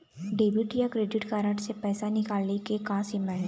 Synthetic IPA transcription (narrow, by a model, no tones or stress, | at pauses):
ɖeːbɪʈjakɾeːɖɪʈkaːɾəʈsepɛːsanɪkaːlekekãːsɪmɛ̃ɳ